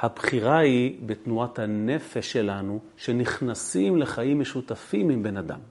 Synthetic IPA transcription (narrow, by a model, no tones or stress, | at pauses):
habχiʁaibet̪nuat̪hane̞feʃːe̞lanu | ʃe̞niχnasimle̞χaimːeʃut̪afimimbe̞nad̪a̰m